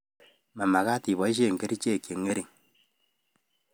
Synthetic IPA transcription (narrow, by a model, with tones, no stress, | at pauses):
ma˨ma˨ɣa˦ti˨βɔ˨˦i˦ʃ̬e˦˨ŋ̩˨ke˦ɾi˦t͡ʃe˦˨ke˨ŋe˦ɾi˨ŋ